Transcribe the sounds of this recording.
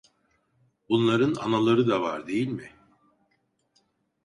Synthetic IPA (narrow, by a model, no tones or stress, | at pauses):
bunlˠaɾɯna̰nalˠaɾɯd̪ava̰ɾd̪e̞jilʲmɪ